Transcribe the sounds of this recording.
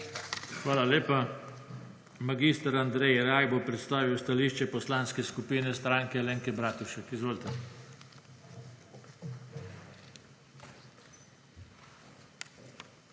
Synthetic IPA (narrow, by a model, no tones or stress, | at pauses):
xʋaːlalʲeːpa | maɡist̪aɾand̪ɾɛjɾajbopɾɛt̪st̪aːʋiwst̪aliːʃt͡ʃɛpɔslaːnskɛskupiːnɛst̪ɾaːŋkɛleːŋkɛbɾaːt̪uʃɛkizʋoːlt̪ɛ